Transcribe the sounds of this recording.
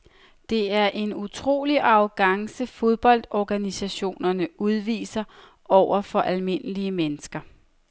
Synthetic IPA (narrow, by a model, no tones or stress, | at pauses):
d̥e̝æɐʔe̝nut͡sʰʁo̝̰ːliʔɑ̈ʊɡ̥ɑ̈ŋsəfo̝ð̞ˠb̥ɒ̽l̰d̥ɒɡ̥ænisæɕo̝̰ːnɐnəuð̞ˠʋḭːsɐ | ɒʊ̰ɐfɒ̽ʔælme̝nəliəmenəsɡ̥ɐ